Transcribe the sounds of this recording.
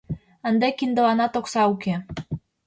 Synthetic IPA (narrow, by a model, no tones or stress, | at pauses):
ə̆nd̪ekind̪ə̆lɑnɑt̪oksɑuke